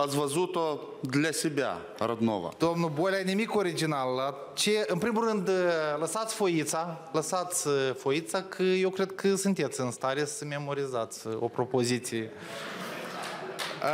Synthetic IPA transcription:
at̪svəzut̪o | d̪ʲlʲasʲebʲa̰ | ɾɐd̪no̰va̰d̪̥omnubolʲajnimiko̞ɾid͡ʒinalːat͡ʃe̞ɨmpɾimulːɨnd̪ləsat̪sʲfo̞it̪sa | ləsat̪sʲfo̞it̪sakʰəje̞wkɾe̞d̪̚kʰəsunt̪e̞t̪sʲɨnst̪aɾe̞səme̞mo̞ɾizat̪sʲo̞̰pɾo̞po̞zit̪sije

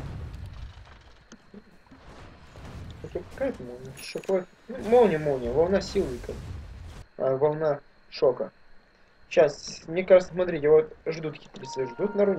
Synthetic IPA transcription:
ot̪opɐkajɛt̪əmolˠnʲəʂɐkojt̪ | numolˠnʲɪmolˠnʲəvɐlˠnasʲilˠɪkə | vɐlˠna | ʂokə | ɕasmnʲekaʐɨt̪səs̬mɐt̪ɾʲitʲɪvot̪ʐd̪ut̪ːɐkʲi̥t̪ʲɪbʲɪsiʐd̪ut̪nɐɾunʲ

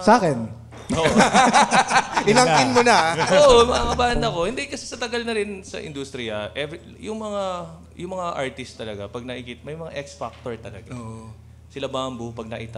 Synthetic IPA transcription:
saːkɛn | oʔ | ʔɪnaŋkɪnmonɐʔoʔomɐŋakɐbaːnɐko̞hɪnd̪ikɐsɛsɐt̪ɐɡɐlnɐɾɪnsɐ̰ʔɪ̰nd̪ust̪ɾɪjɐʔɛv | jʊŋmɐŋa | jʊŋmɐŋaʔaɹt̪ɪst̪ːɐlɐɡapɐɡ̚nɐʔɪkit̪mɐjmɐŋa̰ʔɛksfak̚t̪oɹt̪ɐlɐ̰ɡa | sɪlabambʊpɐɡ̚nɐ̰ʔɪt̪a

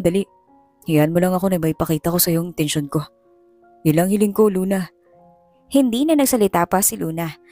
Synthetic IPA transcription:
d̪ɐlɪʔ | hɪjaɐnmolɐŋɐko̞nɐjmɐpɐkiːt̪ɐko̞sɐjoŋɪt̪ɛnʃonko̞ | jʊnlɐŋhɪlɪŋkoluːnɐ | hɪnd̪iːnɐnɐɡ̚sɐlɪt̪aːpɐsɪluːnɐ

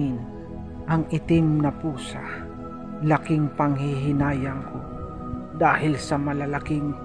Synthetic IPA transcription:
ɪn | ʔɐŋʔɪt̪ɪmnɐpuːsa̰ | lɐkɪŋpɐŋhɪɦɪnaːjɐŋkʰo | d̪aːhɪlsɐmɐlalakɪŋ

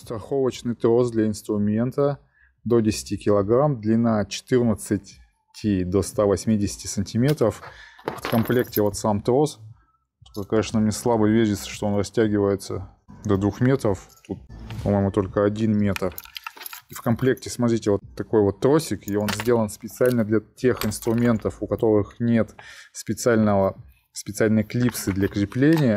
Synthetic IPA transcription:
st̪ɾɐxo̞vət͡ɕnɨjt̪ɾo̞sd̪lʲɐɪnst̪ɾʊmʲe̞nt̪ə | d̪o̞dʲɪsʲɪ̥tʲikʲɪlˠɐɡɾamd̪lʲɪnat͡ɕɪ̥t̪ɨrnət̪sɨtʲ | tʲʰɪd̪ost̪avɐsʲmʲidʲɪsʲɪ̥tʲɪsənʲtʲɪmʲe̞t̪ɾəft̪kɐmplʲe̞ktʲɪvo̞t̪samt̪ɾo̞s | k̪okɐnʲeʂnəmnʲeslˠabəvʲeʒʲɪt̪sə̥ʂt̪o̞o̞nrɐsʲtʲæɡʲɪvəjɪt̪sə | d̪ɐd̪vuxmʲe̞t̪ɾəft̪ut̪̚pɐmo̞jɪmʊt̪o̞lʲkəɐdʲinmʲe̞t̪r | ifkɐmplʲe̞k̚tʲɪsmɐt̪ɾʲitʲɪvo̞t̪ːɐko̞jvo̞t̪ːɾo̞sʲɪkio̞nzʲdʲe̞lˠənspʲɪt̪sɨalʲnəd̪lʲɐtʲe̞xɪnst̪ɾʊmʲe̞nt̪əfʊkɐt̪o̞ɾɨxnʲe̞t̪spʲɪt̪sɨalʲnəvə | spʲɪt̪sɨalʲnəjəklʲipsɨd̪lʲɐkɾʲɪplʲenʲɪjə

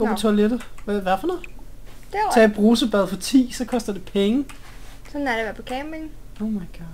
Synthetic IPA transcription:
ɡ̥ɒ̰ːpʰt͡sʰoɐled̥əʋʋæfɒno̥ | t͡sʰɛ̰b̥ʁuːsəb̥ɛðˠfɒ̽t͡sʰḭːsɒ̽kʰɒ̽sd̥ɐd̥e̝pʰeŋəsɒ̽næɐɾeʋæɐpʰɒ̽kʰɛːmen̩oʊmɑ̈ɪɡ̥ɑːd̥

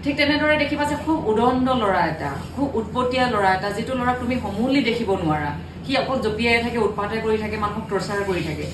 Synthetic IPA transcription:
tʰik̚tɛnɛdɔɹɛdekʰibazɛkʰubudɔndɔlɔɹaɛta̰ | kʰubut̚potijalɔɹaɛtazitʊlɔɹak̚tumixomulidekʰibɔnʊaɹa̰ | xiakɔtzopijajɛtʰakɛut̚patajkoɹitʰakɛmankɔb̚pɹɔsaɹkoɹitʰakɛ

